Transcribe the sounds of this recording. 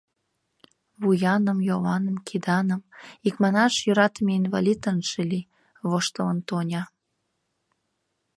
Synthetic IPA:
βujɑnəmjoβɑnəmkʰid̪ɑnəmikmɑnɑʃjøɾɑt̪əmeinvɑlʲit̪ənʃeli | βoʃt̪ələnt̪onʲɑ

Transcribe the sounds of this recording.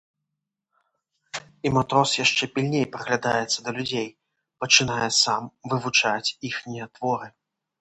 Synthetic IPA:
imat̪ɾɔsjaʂt͡ʂɛpʲilʲnʲejpɾɐɣlʲad̪ajɛt̪sːɐd̪ɐlʲud͡zʲej | pɐt͡ʂɨnajɛsamvɨvut͡ʂat͡sʲixnʲijɐt̪vɔɾɨ

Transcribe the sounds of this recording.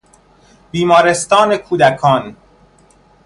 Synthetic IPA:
biːmɒːɾe̞st̪ɒːnekʰuːd̪ækʰɒːn

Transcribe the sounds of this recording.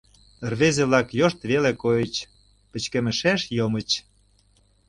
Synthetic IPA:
ərβezeβlɑkjoʃt̪βelekojə̆t͡ɕ | pə̆t͡ɕkĕmə̆ʃæʃjomə̆t͡ɕ

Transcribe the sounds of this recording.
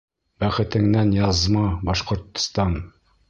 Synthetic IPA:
bæχɘ̆t̪ɘ̆ŋnænjɑzmɑbɑʃqŏɾt̪ːŏ̥st̪ɑn

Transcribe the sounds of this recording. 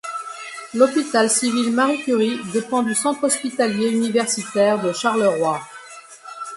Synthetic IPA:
lɔpit̪alsivilmaʁikʲyʁid̪epɑ̃d̪ysɑ̃t̪χɔspit̪aljeynivɛʁsit̪ɛʁd̪əʃaʁləʁwa

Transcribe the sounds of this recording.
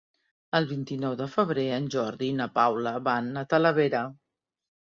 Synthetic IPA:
əlˠβint̪inɔwðəfəβɾeənʲʒɔɾðinəpawləβanət̪ələβeɾə

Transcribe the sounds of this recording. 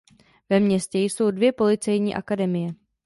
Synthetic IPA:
vɛmɲɛscɛjso̞wdvjɛpo̞lɪt͡sɛjɲiːʔa̰kadɛmɪjɛ

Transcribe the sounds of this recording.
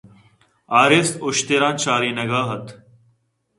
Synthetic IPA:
aːɾeːst̪ʊʃt̪eːɾãːnt͡ɕaːɾiːnɐɡaːɦɐt̪ʰ

